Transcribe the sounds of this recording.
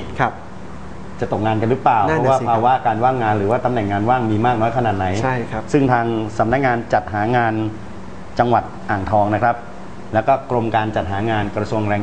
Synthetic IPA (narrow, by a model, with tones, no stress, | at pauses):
t͡ɕa˨˩t̪o˨˩k̚ŋaː˧nka˧nɾɯ˦˥plaː˨˩wɔ˦˥wːpʰaː˧wa˦˥˩kaː˧nwaː˥˩ŋːaː˧nɾɯː˩˦waː˥˩t̪a˧mnɛ˨˩ŋːaː˧nwaː˥˩ŋmiː˧maː˥˩k̚nɔː˦˥jkʰa˧naː˨˩t̪̚na˩˦jʰa˥˩˦sɯ˥˩ŋt̪ʰaː˧ŋsa˩˦mna˦˥k̚ŋaː˧nt͡ɕa˨˩t̪̚ɦaː˩˦ŋaː˧n | t͡ɕa˧ŋwa˨˩t̪̚ʔaː˨˩ŋt̪ʰɔː˧ŋna˦˥kʰɾa˦˥p̚ | lɛː˦˥wkɔː˥˩kɾo˧mkaː˧nt͡ɕa˨˩t̪̚ɦaː˩˦ŋaː˧nkɾa˧su˧əŋɾɛː˧ŋ